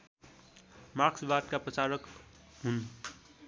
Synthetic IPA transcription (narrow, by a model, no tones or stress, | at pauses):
maɾksbaːt̪kapət͡ʃaːɾək | ɦun